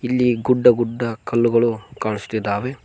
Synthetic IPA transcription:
ilːiɡuɖːɐɡuɖːɐkʰɐlːuɡɐɭukaːɳisu̥t̪id̪ːaːʋe̞

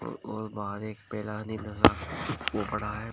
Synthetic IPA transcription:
ɔːɾbaːɾeːk̚pɛːlaninɐsaːkobɐɽ̤aɦɛ

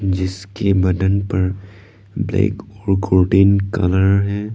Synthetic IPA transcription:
d͡ʒɪskebɐɖ̪ənpɐɾ | blḛːkɔːɾkoːʈiːnkɐ̰ləɾɦɛː

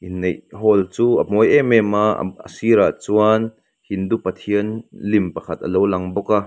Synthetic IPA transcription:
ʔinːejɦɔlt͡suːɐmɔjɛmɛma̰ə̰siɾaʔt͡suan | hind̪uʔpɐt̪ʰiənlimpɐkʰɐt̪̚ʔɐ̰lowlɐŋbɔka

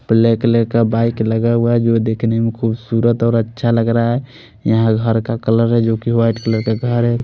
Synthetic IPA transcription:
pleklekabaikləɡauaɦɛd͡ʒod̪ekʰnemekʰubsuɾət̪ɔːɾətːʃʰaləɡɾaɦɛ | jəɦãɡʱəɾkakələɾɦɛd͡ʒokiwaiʈkələɾkaɡʱəɾɦɛ

